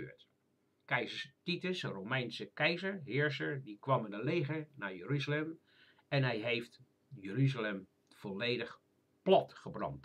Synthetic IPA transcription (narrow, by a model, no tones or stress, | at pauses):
ø̰ːɹt | kɛjzəɹtitəsəromɛjnsəkɛjzəɹɦɪːɹsəɹdikʋɑmənəlejχəɹnaːɹjəryzəlɛm | ɛnɦɛjɦejft | jəryzəlɛm | v̥ɔlejdəχ | plɑtχəbrɑ̰nt